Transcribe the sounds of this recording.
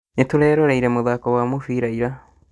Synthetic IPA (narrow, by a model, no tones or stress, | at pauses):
netuɾɛːɾoɾeiɾemoðakoβwamofiːɾaiɾa